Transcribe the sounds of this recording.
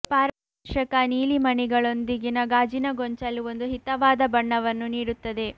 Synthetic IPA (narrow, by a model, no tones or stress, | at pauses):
paːɾ | ʂɐkɐniːlimɐnɛɡɐɭo̞nd̪iɡinɐɡaːd͡ʒinɐɡoɲt͡ʃɐlːio̞nd̪uɦit̪ɐʋaːd̪ɐbɐɳːɐʋɐnːuniːɽut̪ːɐd̪e̞